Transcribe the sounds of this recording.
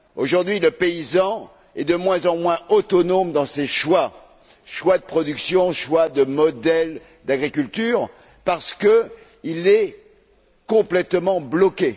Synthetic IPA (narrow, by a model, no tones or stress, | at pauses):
oʒuʁd̪ɥiləpeizɑ̃ | ɛd̪əmwɛ̃zɑ̃mwɛ̃ot̪ɔnomd̪ɑ̃seʃwa | ʃwad̪əpχɔd̪yksjɔ̃ʃwad̪əmɔd̪ɛl | d̪aɡʁikʲylt̪yːʁ | paʁsə̥kə | ilɛ | kɔ̃plɛt̪mɑ̃blɔkʲe